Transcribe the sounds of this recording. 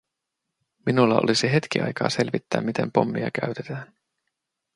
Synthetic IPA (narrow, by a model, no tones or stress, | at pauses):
minulːɑolisiɦe̞t̪k̟iɑ̰jkɑːse̞lʋit̪ːæ̰ːmit̪e̞mpo̞mːiɑ̰k̟æɥt̪et̪æːn